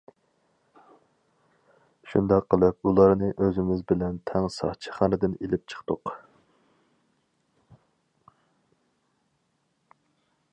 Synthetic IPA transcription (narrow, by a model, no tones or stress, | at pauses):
ʃund̪ɑqːəlˠɨp̚ulˠɑɾnɨʔøzɪmɪzbɪlɛnt̪ʰɛŋsɑ̰χt͡ʃʰi̥χɑnɨd̪ɪnelɪp̚t͡ʃʰə̥χt̪ʊq